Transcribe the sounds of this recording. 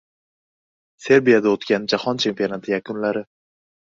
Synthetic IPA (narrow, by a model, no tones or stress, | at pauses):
se̞ɾbijad̪aot̪kʲanɪd͡ʒahɒnt͡ʃʰe̞mpio̞nat̪ʰɪjakʊnlaɾɪ